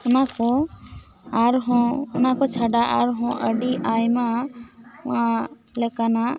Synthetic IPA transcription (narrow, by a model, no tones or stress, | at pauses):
ɔnakɔ | aɾɦɔ̃ɔnakɔt͡ʃʰaɖaʔaɾɦɔ̃ʔəɖiʔajma | ʊ̃ã | lɛkanaʔ